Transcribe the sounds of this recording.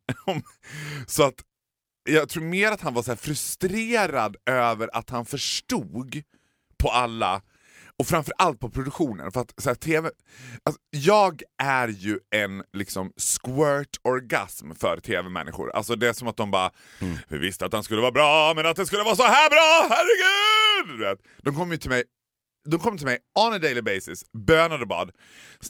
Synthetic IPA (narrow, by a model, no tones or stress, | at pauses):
sɔat̪ | jɑːɡt̪ʰɾuːɾmeːɾat̪hanvaʂɔæːɾfɾɵst̪ɾeːɾad̪øːvəɾʔa̰t̪hanfœʂʈuːɡ | pʰɔalːa̰ | ɔfɾamfœɾʔalt̪̚pʰɔpʰɾʊd̪ɵkɧuːnə̰nfœɾat̪sæːt̪ʰeːvɛ | asɔjɑːɡʔæɾjɵɛnlɪksɔmskwœʈʰɔɾɡa̰smfœ̰ɾt̪ʰeːvɛmɛ̰nːɪ̰ɧʊ̰ɾa̰lsɔd̪ɛsɔmat̪̚d̪ɔmbɑ̰ːa | vɪ̰vɪst̪əat̪hanskɵlːəvɑːbɾɑːmɛnat̪̚d̪ɛskɵlːəvɑːs̬ɔhæːɾbɾɑːhæɾɛɡʉːd̪d̪ɵveːt̪d̪̥ɔmkʰɔmːjɵt̪ʰɪlmɛj | d̪ɔmkʰɔmːət̪ʰɪlmɛjɔnəd̪eɪlɪbeɪsɪsbøːnad̪ɔbɑ̰ːd̪